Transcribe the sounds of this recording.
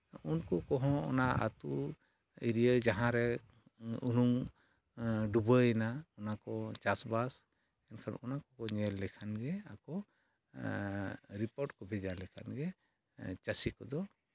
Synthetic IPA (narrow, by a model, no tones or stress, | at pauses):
unkɔkɔɦɔ̃ɔ̰naa̰t̪u | iɾijəd͡ʒaɦãɾɛ | unum | ɖubəɛnaɔnakɔt͡ʃasbas | ɛnkʰanɔnakɔkɔɲɛlːɛkʰanɡɛa̰kɔ | ɾipɔɾʈkɔbʱɛd͡ʒalɛkʰa̰nɡɛ | t͡ʃasikɔd̪ɔ